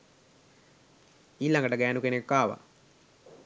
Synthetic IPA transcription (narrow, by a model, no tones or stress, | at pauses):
iːlaŋɡəʈəɡæːnukenekːaːʋa̰